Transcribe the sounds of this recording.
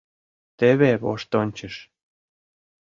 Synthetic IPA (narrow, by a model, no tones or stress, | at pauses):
t̪eβeβo̰ʃt̪onʲt͡ɕə̆ʃ